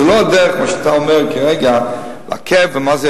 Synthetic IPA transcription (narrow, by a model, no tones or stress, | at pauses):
əloadɛɾəχmaʃataɔmɛʁkʰəʁɛɡala̰kʰɛfvɪmazɛ